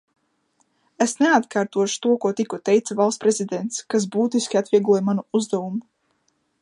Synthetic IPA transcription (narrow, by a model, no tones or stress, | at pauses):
esnɛat̪kaːɾt̪uɔʃu̥t̪uɔkuɔt̪ikut̪ɛjt̪savalˠt̪spɾezid̪ɛnt̪skas̬buːt̪iskʲat̪vʲiɛɡlˠuɔjmanuuzd̪avumu